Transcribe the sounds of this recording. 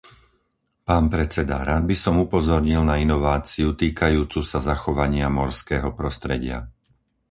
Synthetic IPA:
paːnpɾɛt͡sɛd̪a̰ɾaːd̪̚bisɔmupɔzɔɾɲilnainɔʋaːt͡siut̪iːkajuːt͡susazaxɔʋaɲɪamɔɾskɛːɦɔpɾɔst̪ɾɛɟɪa̰

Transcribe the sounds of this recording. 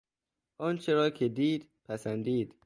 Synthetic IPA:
ʔɒːnt͡ʃʰeɾɒːkʰed̪iːd̪̥pʰæsænd̪iːd̪̥

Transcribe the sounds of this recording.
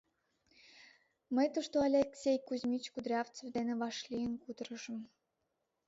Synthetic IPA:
məjt̪oʃt̪oɑlʲeksʲejkuzʲmʲit͡ɕkud̪ɾʲɑft͡sevd̪enĕβɑʃlʲijənkud̪əɾə̆ʒə̆m

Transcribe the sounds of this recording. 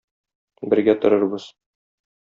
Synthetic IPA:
bɘ̆ɾɡæt̪ŏɾɤ̆ɾbɤz̥

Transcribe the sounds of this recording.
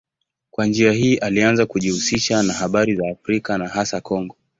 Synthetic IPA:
kwand͡ʒiahiːʔalianzakuʄihusiʃanahaɓaɾizaːfɾikanahasakɔŋɡɔ

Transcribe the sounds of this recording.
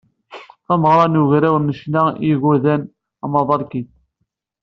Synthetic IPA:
θæməʁɾˤɑnuʝɾæwnːəʃnæiɣuðæn | æmɑðˤɑɾˤkin

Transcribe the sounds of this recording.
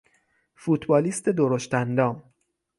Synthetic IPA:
fut̪ʰbɒːliːst̪ʰed̪oɾoʃt̪ænd̪ɒːm

